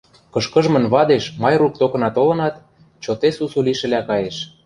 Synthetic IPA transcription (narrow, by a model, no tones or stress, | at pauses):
kɤ̆ʃkə̆ʒmɤ̆nβɑd̪eʃmɑjruk̚t̪okɤ̆nɑt̪olɤ̆nɑt̪ | t͡ɕot̪esusuliʃɘ̆lækɑjeʃ